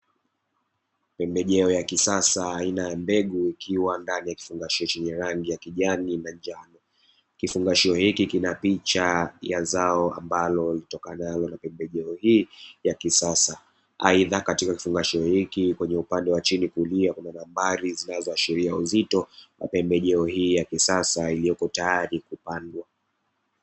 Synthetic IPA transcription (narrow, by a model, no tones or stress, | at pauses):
pɛmbɛʄɛɔjakisasaːinajambɛɠuikʰiwandanijaki̥fuŋɡaʃiɔt͡ʃiɲɛɾaŋɡijakiʄaninand͡ʒanɔ | kifuŋɡaʃiɔhikikinapit͡ʃajazaɔa̰mbalɔlitɔkanalɔnapɛmbɛʄɛɔhiːjakisasa | aiðakatikaki̥fuŋɡaʃiɔhikikwɛɲɛupandɛwat͡ʃinikuliakunanambaɾizinazɔaʃiɾiauzitɔwa̰pɛmbɛʄɛɔhiːjakisasailijɔkɔtajaɾikupandwa